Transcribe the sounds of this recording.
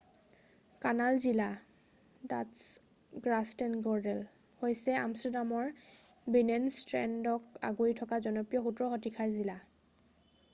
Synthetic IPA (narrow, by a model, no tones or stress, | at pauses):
kanalzila | da̰ts | ɡɹastɛnɡɔɹdɛl | hojsɛa̰mstɛdamɔɹ | binɛnstɹɛndɔka̰ɡoɹitʰɔkazɔnɔpijɔxutɹɔxɔtikʰaɹzila